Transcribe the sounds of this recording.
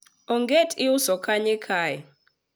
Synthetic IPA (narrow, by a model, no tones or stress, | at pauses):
ɔŋɡetʼiusɔkʰaɲɛkʰaːja